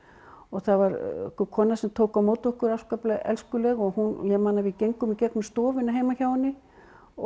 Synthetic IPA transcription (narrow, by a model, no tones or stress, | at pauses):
ɔɣθavaɾ̰kʏkʰɔːnasɛmt̪ʰoːwkamoːwt̪ɔhkʏɾawskœplɛɣɛ̰lskʏlɛɣɔɣhunjɛmaːnavicejŋkʏmicɛk̪nʏmst̪ɔːvʏnaɦejmaçaːwɪnːɪ | ɔ